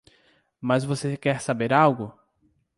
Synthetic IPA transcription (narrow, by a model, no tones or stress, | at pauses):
mɐzvosekɛɾsabeɾawɡʊ